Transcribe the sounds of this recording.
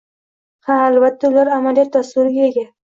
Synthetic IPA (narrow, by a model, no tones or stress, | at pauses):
haːlvat̪ʰːaʊlaɾamaljat̪ːasʊɾɪɡʲaeɡʲa